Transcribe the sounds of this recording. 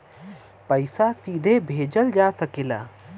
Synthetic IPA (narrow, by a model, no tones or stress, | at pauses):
pəjsasid̪ʱebʱed͡ʒəld͡ʒasəkɛla̰